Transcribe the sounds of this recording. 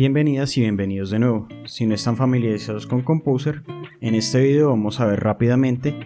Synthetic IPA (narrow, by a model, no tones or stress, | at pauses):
bje̞mbe̞niðasiβje̞mbe̞niðo̞zd̪e̞nwe̞βo | sino̞est̪aɱfamiljaɾisað̞osko̞ŋko̞mpowseɾene̞st̪e̞βiðeoβamo̞saβe̞ɾrapiðamẽ̞nt̪e̞